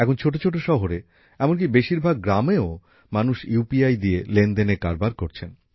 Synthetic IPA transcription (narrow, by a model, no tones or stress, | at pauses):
ɛkʰont͡ɕʰoʈ̬ot͡ɕʰoʈ̬oʃɔɦoɾe | ɛmonk̬ibeʃiɾbʱaɡ̚ːɾameo | manuʃjupiajd̪ielend̪enekaɾbaɾkoɾt͡ɕʰen